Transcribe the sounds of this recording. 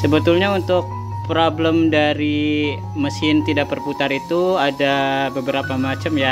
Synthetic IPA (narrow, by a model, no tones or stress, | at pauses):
səbət̪ulɲaunt̪ʊk̚ | pɾobləmdaɾi | məsɪnt̪idak̚bərput̪aɾit̪uadabəbəɾapamat͡ʃamja